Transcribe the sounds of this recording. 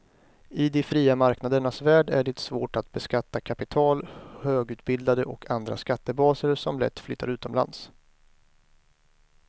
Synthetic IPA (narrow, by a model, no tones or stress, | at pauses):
ɪd̪ɪfɾiːamaɾknad̪əɳasvæːɖæɖɛt̪svo̰ːʈat̪bɛskat̪ːakʰapɪt̪ʰɑːlhøːɡʉ̟ːt̪̚bɪd̪ad̪əʔɔkʰand̪ɾa̰skat̪ːəbɑːsəɾsɔmlɛ̰t̪ːflʏːt̪ːaɾʉ̟ːt̪ɔmla̰ns